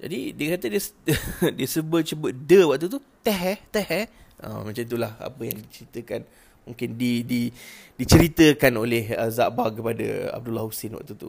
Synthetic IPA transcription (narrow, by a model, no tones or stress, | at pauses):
d͡ʒa̰didiəkat̪ədiəsdiəsəbət̪̚t͡ʃəbət̪̚dəwaʔk̚t̪ut̪ut̪ɛɦɛht̪ɛhɛhʔə̰mə̃t͡ʃanit̪̬ulaha̰pəjaŋdit͡ʃəɾit̪əkan | muŋkɪndididit͡ʃəɾit̪əkanolɛhə̰zaʔbakəpadə̰a̰b̚dulahusɪnwa̰ʔ̚t̪ut̪ṵ